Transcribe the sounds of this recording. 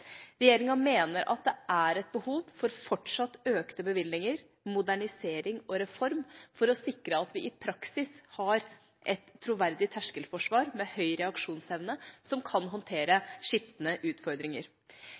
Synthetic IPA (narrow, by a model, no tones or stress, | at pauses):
ɾɛjeːɾɪŋɑmeːnəɾʔɑ̰t̪̚d̪ɛʔæɾɛt̪̚bəhuːʋfɔɾfɔʈʂɑt̪ːøːkt̪əbəʋɪlnɪŋəɾ | mʊd̪æɳɪseːɾɪŋɔɾɛfɔɾmfɔɾɔsɪkɾəɑt̪ʋɪʔɪpʰɾɑksɪshɑɾ | ʔɛt̪ʰːɾʊʋæɾd̪ɪt̪ʰæʂkəlfɔʂʋɑːɾmɛhœʏɾɛɑkʂuːnsɛʋnəsɔmkʰɑnɦɔnt̪ʰeːɾəʂɪft̪ənəʔʉːt̪fɔɾd̪ɾɪŋəɾ